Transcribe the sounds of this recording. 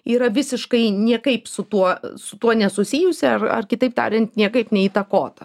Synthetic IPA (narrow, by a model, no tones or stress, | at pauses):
iːɾɐʋʲɪsʲɪʃkɐɪnʲiɛkɐɪpsʊt̪uɔsʊt̪uɔnʲɛsʊsʲiːjʊsʲɪɐrɐ̰rkʲɪt̪ɐɪp̚t̪ɑ̰ːɾʲɛnt̪nʲiɛkɐɪpnʲɛiːt̪ɐkoːt̪ɐ